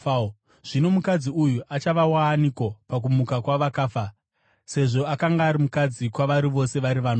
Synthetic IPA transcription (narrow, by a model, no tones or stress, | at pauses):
ʐ̥ino̞mukad͡ziujuʔat͡ʃaʋawaːnikopak̬umukakwaʋakaːfa | se̞ʐo̞akaŋɡaːɾimukad͡zikwaʋaɾiʋo̞se̞ʋaɾiʋano